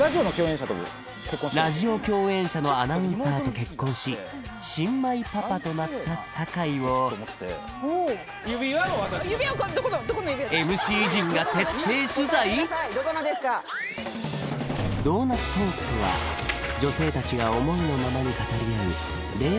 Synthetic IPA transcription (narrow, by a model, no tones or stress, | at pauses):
ɾaʑionokʲo̞ːẽɕat̪o̰ | kekːõɾaʑio̞kʲo̞ːẽ̞ɰ̃ɕano̞anaɯ̃saːtt̪o̞ke̞kːõ̞ɰ̃ɕi | ɕĩmːaipapat̪o̞nat̪ːasakaiβo̞t̪ːe | jɯbʲiɯbʲikod̪okonod̪okonojʲiemɯ̟ɕiːʑĩŋɡat̪e̞t̪ːe̞ːɕɨzaid̪okonod̪esɨ̥ka | d̪o̞ːnḁt̪o̞ːkt̪oβa̰d͡ʑo̞se̞ːt̪at͡ɕiɡao̞mo̞ino̞mamaɲ̟ikat̪aɾʲiaɯ̟ | ɾe̞ː